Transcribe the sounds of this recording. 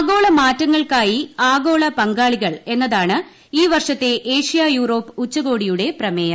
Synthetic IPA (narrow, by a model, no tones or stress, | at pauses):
ɡo̞ːɭɐmaːtːɐŋːɐɭkaːjiaːɡo̞ːɭɐpɐŋɡaːɭiɣɐɭe̞nːɐðaːɳɨ | iːʋɐrʂɐt̪ːe̞ʔeːʂijajuːɾo̞ːpːɨut͡ɕːɐɣo̞ːɽijuɽe̞prɐmejɐ